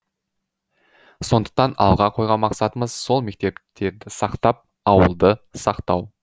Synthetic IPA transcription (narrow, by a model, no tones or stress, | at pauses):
so̞nd̪ə̥q̚t̪ɑnɑ̰lˠʁɑqʰo̞jʁɑnmɑqsɑt̪əməzso̞lˠme̞k̚t̪e̞pt̪ʰe̞ɾd̪ɪsɑqt̪ɑp̚ | ɑwəlˠd̪əsɑqt̪ɑw